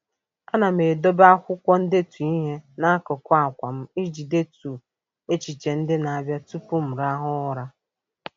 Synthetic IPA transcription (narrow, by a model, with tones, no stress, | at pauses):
a˦na˨me˨do˦ba˦kʷʊ˦kʷɔ˦n̩˦de˦tu˨i˦ɦe˦na˦a˦kɔ˨kʷa˦a˨kʷa˨m̩˦i˦d͡ʒi˨de˦tu˨ | e˦t͡ʃi˨t͡ʃe˨n̩˦dɪ˦na˨a˦bja˦tu˦pu˦m̩˨ɾa˦ɦʊ˦ʊ˦ɾa˦